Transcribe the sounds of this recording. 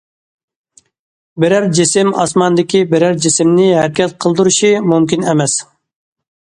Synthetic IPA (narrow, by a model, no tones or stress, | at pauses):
beɾæɾd͡ʒisɪmɑ̰smɑnd̪ɪkʲibeɾæɾd͡ʒɪsɪmnɪɦæɾɪkʲʰɛt̪̚qʰəlˠd̪uɾuʃimumkʲinɛmɛs